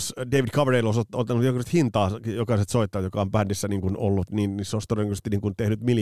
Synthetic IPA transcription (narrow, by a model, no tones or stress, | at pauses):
sdeiʋidkʰɑʋereilosot̪ːolt̪ːɑnut̪jokɑset̪hint̪ɑːjokɑiset̪soit̪ːɑːjokɑompændisːæniːŋkuno̰lːut̪niːnisost̪oreoŋkyøsest̪iniːŋkunt̪ehnyt̪mil